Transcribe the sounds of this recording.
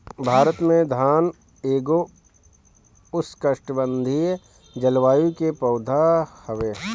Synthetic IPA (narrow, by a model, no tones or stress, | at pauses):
bʱaːɾət̪mẽd̪ʱaːn | eːɡo | ʊskəʃʈəbə̃nd̪ʱi | d͡ʒɐlʋaːjũkepɐːʊd̪ʱahəʋeː